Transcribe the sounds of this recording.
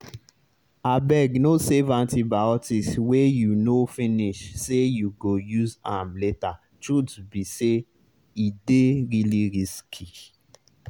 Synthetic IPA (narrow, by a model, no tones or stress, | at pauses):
abɛɡnosɛvãntibaɔtiswejunofĩniʃsejuɡojuzãmleta | ʃudbise | ideɾiliɾiskʰi